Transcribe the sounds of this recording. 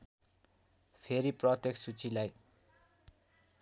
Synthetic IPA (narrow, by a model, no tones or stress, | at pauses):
pʰeɾiprʌt̪jeksut͡silaj